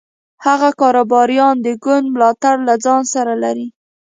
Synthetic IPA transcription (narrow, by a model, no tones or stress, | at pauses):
haɣakɑɾobɑɾijɑnd̪əɡʊnd̪mlɑt̪aɽlad͡zɑnsaɾalaɾi